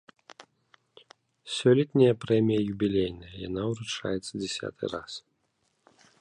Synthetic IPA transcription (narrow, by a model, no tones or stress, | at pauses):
sʲɔlʲit̪ʲnʲɪjɐpɾɛmʲijɐjubʲilʲejnɐjɐja̰nauɾut͡ʂa̰jɛt̪səd͡zʲɛsʲa̰t̪ʰɨ̰ras